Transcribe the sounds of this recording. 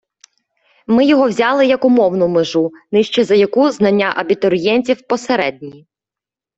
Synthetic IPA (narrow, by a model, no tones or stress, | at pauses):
mɪjɔɦɔwzʲɑlˠɪjɐkʊmɔwnʊmeʒunɪʃt͡ʃɛzɐjɐkuznɐnʲːaʔɐbʲit̪ɔɾʲjɛnʲt͡sʲiwpɔseɾɛd̚ʲnʲi